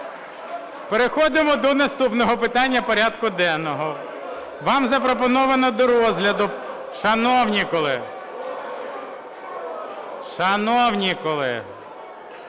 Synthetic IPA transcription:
peɾexɔd̪ɪmɔd̪ɔnɐst̪upnɔɦɔpɪt̪ɑnʲːɐpɔɾʲɑd̪kʊd̪ɛnːɔɦɔ | ʋɑmzɐpɾɔpɔnɔʋɐnɐd̪ɔɾɔzɦlʲɐd̪ʊ | ʃɐnɔwnʲikɔlˠɪ | ʃɐnɔwnʲikɔlˠɪ̰

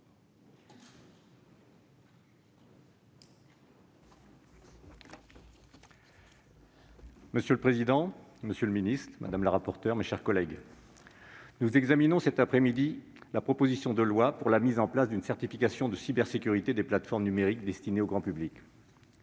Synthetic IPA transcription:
məsjøləpχezid̪ɑ̃məsjøləminist̪χmʔa̰d̪amləʁapɔʁt̪œʁmeʃɛʁkɔlɛɡ | nuzɛɡzaminɔ̃sɛt̪apχɛmid̪i | lapχɔpozisjɔ̃d̪əlwapuʁlamizɑ̃plasd̪ynsɛʁt̪ifikasjɔ̃d̪əsibɛʁsekʲyʁit̪ed̪eplat̪fɔʁmnymeʁikd̪ɛst̪ineoɡʁɑ̃pyblik

